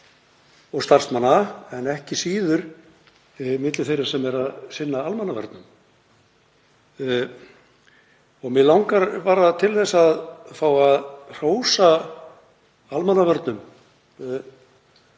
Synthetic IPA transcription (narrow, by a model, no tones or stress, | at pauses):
ɔɣst̪ar̥smanːaɛnɛhcɪsiːðʏɾ̥ | mɪt̪lɪθejɾaɾ̥sɛmɛɾaðsɪnːaalmanːavœ̰ɾt̪nʏm | ɔɣmɪðlawŋkaɾvaːɾat̪ʰɪlθɛsːaðfaːwaðr̥oːwsa | almanːavœɾt̪nʏm